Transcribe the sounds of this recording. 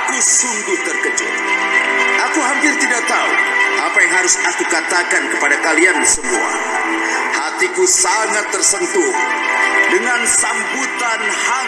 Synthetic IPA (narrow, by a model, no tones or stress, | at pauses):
kusuŋɡʊht̪ərkəd͡ʒʊ̰t̪̚ | ʔakuɦampɪrt̪idaʔ̚t̪aṵʔapajaŋɦaɾʊsakukat̪akankəpadakaliansəmua̰ | hat̪ikusaŋat̪ːərsənt̪u | dəŋansambut̪anha